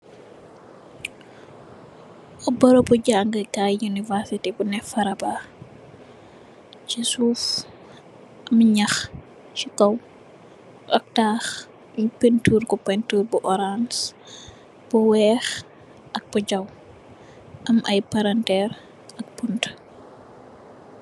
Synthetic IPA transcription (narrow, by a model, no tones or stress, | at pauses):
ʔɔbɐɾɔbuɟaːŋɡəkajunivɛɾsitibunɛfɐɾɐba | t͡ʃisuːf | ʔɐmɲɐx | t͡ʃikɐw | ʔɐk̚taːx | ɲpentuːɾkɔpɛntuːɾbuʔɔɾans | b̥uwɛːx | ʔɐk̚b̥ud͡ʒɐw | ʔɐmɐjpaɾantɛːɾ | ɐk̚punt